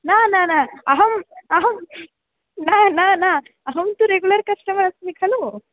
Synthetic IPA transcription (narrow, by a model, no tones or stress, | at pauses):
naːnaːnaːɐɦɐmɐɦɐm | naːnaːna | ɐɦɐmnt̪uɾeɡulɐɾkɐʂʈɐmɐɾɐsmikʰɐluː